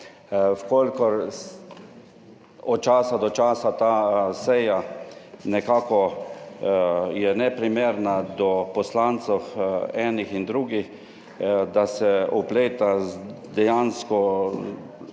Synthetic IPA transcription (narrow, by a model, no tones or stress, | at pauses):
wkɔlkɔɾ | ɔt̪̚t͡ʃaːsad̪ɔt͡ʃaːsat̪asɛjanɛkaːkɔ | jɛnɛpɾimeːɾnad̪ɔpɔslant̪sɔwɛːnixind̪ɾuːɡix | d̪asɛɔpleːt̪ad̪ɛjanskɔ